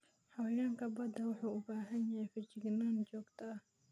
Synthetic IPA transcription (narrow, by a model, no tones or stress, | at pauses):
ħɑwjaːŋkʰɐbɐd̪ɐwʊħuːʊbaːɦɐnjɐhɛjfɪt͡ʃɪɡnaːnt͡ʃɔːɡt̪ʰɐɐh